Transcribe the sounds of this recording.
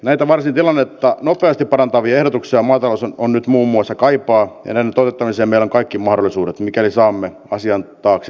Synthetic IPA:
næit̪æʋɑrsint̪ilɑnːet̪ːɑnopˑeɑst̪ippɑɾɑnt̪ɑʋiɑehdot̪uksiɑmɑːt̪ɑlosonnyt̪muːmːuɑsːɑkɑipɑːjɑ̰næinːent̪ot̪et̪ːɑmiseːmmeiloŋkɑikːimɑhdolːˑisuːɾet̪mikælisɑːmːe | ɑsiɑnt̪ɑːks

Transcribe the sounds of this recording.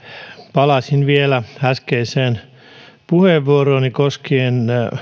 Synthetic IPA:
pɑlɑsinʋielææskeiseːn | puheʋːuoroːnikoskieːn

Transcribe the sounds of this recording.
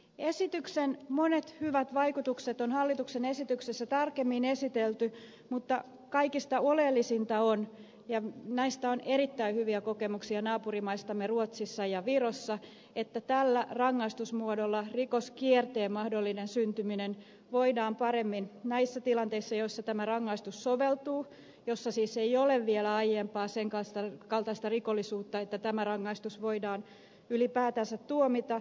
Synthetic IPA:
e̞sit̪yksenmonet̪hyʋæt̪ʋɑikut̪ukset̪onhɑlːit̪uksene̞sit̪yksesːæt̪ɑrkemːine̞sit̪elt̪y | mut̪ːɑ | kɑikist̪ɑolelːisint̪ɑon | jɑnæist̪ɑone̞ɾit̪ːæihyʋiæko̞kemuksiɑnɑːpurimɑist̪ɑmːeruot̪sisːɑjɑʋirosːɑ | et̪ːæt̪ælːærɑŋːɑist̪usmuodolːɑrikoskiert̪eːmmːɑhdolːinensynt̪yminen | ʋoidɑːmpɑɾemːinnɑisːæt̪ilɑnt̪e̞isːɑjoisːɑt̪æmærɑŋːɑist̪ussoʋelt̪uː | josːɑsiːsejoleʋʋielæɑjempɑːseŋkɑnst̪ɑkɑlt̪ɑist̪ɑrikolːisuːt̪ːɑet̪ːæt̪æmærɑŋːɑist̪usʋoidɑːn | ylipæːt̪ænsæt̪tːuomit̪ɑ

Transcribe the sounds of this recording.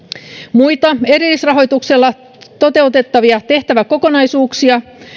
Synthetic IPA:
mujt̪ɑe̞ɾilːˑisrɑɦo̞jt̪ukselːɑ | t̪o̞t̪e̞ut̪e̞t̪ːɑʋiɑt̪e̞ht̪æʋæko̞ko̞nɑjsuːksiɑ

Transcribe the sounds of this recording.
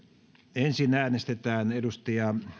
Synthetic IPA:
ensinæːnest̪et̪æːnedust̪ɑjɑ

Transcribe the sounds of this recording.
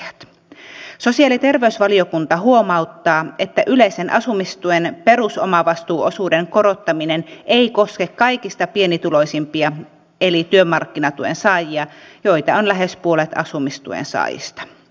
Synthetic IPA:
ɑt̪ | so̞siɑːlit̪e̞rʋeysʋɑlio̞kunt̪ɑɦuo̞mɑut̪ːɑːe̞t̪ːæʔyleise̞nʔɑsumist̪uenpe̞ɾusomɑʋɑst̪uːʔo̞suːde̞ŋko̞ɾot̪ːɑmine̞nʔeiko̞skekkɑjkist̪ɑpie̞nit̪ulo̞jsimpiɑ | elit̪yømɑrkːinɑt̪uḛnsɑːjiɑjo̞jt̪ɑonlæɦe̞spuolet̪ɑ̰sumist̪ṵḛnsɑ̰ːjḭst̪ɑ̥

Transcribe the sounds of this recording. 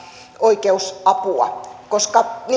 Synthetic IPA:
oikeusɑpuɑ̰koskɑn

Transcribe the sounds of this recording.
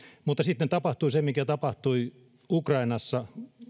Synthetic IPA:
mut̪ːɑsit̪net̪ɑpɑht̪uisemikæt̪ɑpɑht̪ui | ukrɑinɑsːɑ

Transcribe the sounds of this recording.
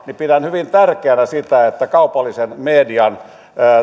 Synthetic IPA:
nipidænhyʋint̪ærkeænæsit̪æet̪ːækɑupɑlːisenmeːdiɑnː

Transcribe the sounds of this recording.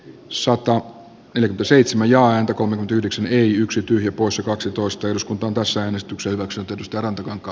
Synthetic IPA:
sɑt̪ɑ | neljækyment̪æseit̪semæjjɑːæːnt̪ækolmekyment̪æyhdeksæneiyksit̪yhjæpoˑisjɑkɑksit̪oˑist̪ɑeluskunt̪ɑːnt̪æsːææːnest̪yksehyʋæksynyt̪ːeæt̪yst̪ærɑnt̪ɑkɑŋkːˑɑː

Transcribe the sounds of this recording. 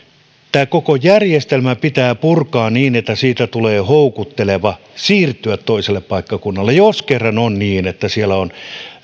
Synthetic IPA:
t̪æːkokojærjest̪elmæpit̪æːpurkɑːnniːnet̪ːæsiːt̪æt̪uleːhoukut̪ːeleʋɑ | siːrt̪ːˑyæt̪toiselːˑeppɑˑikːɑkunːɑlːejoskerːɑnonniːnet̪ːæsielːˑæon

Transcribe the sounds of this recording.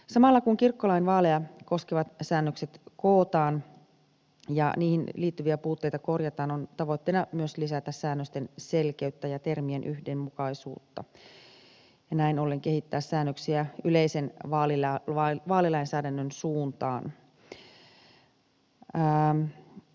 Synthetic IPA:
sɑmɑlːɑkuŋkirkːolɑinʋɑːlejɑko̞skeʋɑt̪sæːnːøkset̪koːt̪ɑːn | jɑ̰niːhinliːt̪ːyʋiæpuːt̪ːe̞jt̪ɑko̞rjɑt̪ɑːnont̪ɑʋo̞jt̪ːeinɑmyøslisæt̪æssæːnːøst̪ense̞lkeyt̪ːæjɑt̪e̞rmienʔyhdemmukɑisṵːt̪ːɑ̰ | jɑnæinolːeŋke̞hit̪ːæːssæːnːøksiæyle̞isenʋɑːlilʋɑːlilɑinsæːdænːønsuːnt̪ɑːn

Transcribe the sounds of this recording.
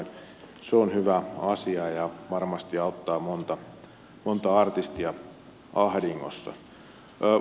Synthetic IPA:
n | seonhyʋæɑsiɑjɑʋɑrmɑst̪iɑut̪ːɑːmont̪ɑ | mont̪ɑɑrt̪ist̪iɑ | ɑhɾiŋːo̰sːɑ̰ː

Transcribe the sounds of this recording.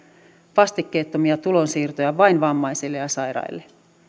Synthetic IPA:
ʋɑst̪ikːeːt̪ːomiɑt̪ulo̞nsiːrt̪ojɑʋɑjnʋɑmːɑjsilːejɑsɑjɾɑ̰jlːe

